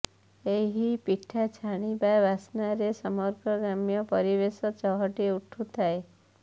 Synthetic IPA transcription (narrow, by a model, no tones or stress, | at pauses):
eɦipiʈʰat͡ʃʰaɽ̃ibajbasnaɾesɔmɔɾɡɔɡɾamjɔpɔɾibesɔt͡ʃɔɦɔʈiuʈʰut̪ʰae